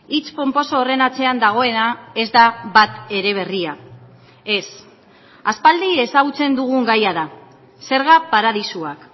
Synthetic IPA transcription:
it͡spo̞mpo̞soːre̞nat͡se̞and̪aɣ̞o̞e̞nae̞zd̪aβat̪e̞ɾe̞β̞e̞ria | e̞s | aspald̪ie̞saɣut͡se̞nd̪uɣ̞uŋɡajaða | se̞ɾɣ̞apaɾað̞isuak

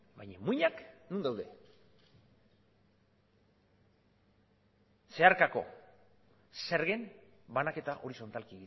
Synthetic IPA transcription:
bajɲamuɲaknund̪awðe̞̰ | se̞aɾkako̞̰ | se̞ɾɣe̞nbanake̞t̪aʔo̞ɾiso̞nt̪alkieɣi

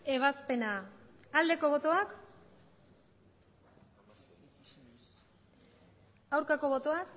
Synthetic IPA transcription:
e̞β̞aspe̞naald̪e̞ko̞β̞o̞t̪o̞ak | awɾkako̞βo̞t̪o̞ak

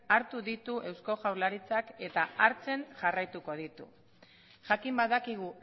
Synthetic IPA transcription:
aɾt̪uðit̪uʔe̞wsko̞ʝawɾlaɾit͡sake̞t̪aaɾt͡se̞nʝarajt̪uko̞ð̞it̪ṵ | ʝakimbaðakiɣ̞u

